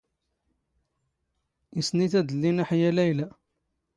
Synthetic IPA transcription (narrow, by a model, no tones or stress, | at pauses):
isniθæd̪əlːinaħajælæjlæ